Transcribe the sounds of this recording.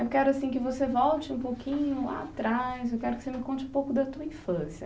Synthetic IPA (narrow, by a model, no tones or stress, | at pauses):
ewkɛɾʊasĩkɪvosevɔwt͡ʃɪũpokĩɲʊla̰t̪ɾajzewkɛɾʊkɪ̥semɪkõt͡ʃɪ̃ũpowkʊd̪ɐt̪uɐĩfɐ̃siɐ